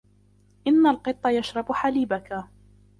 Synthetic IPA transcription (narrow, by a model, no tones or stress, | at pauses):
ʔɪnːalqɨt̪ˤːɑjaʃɾˤɑbʊħaliːbaka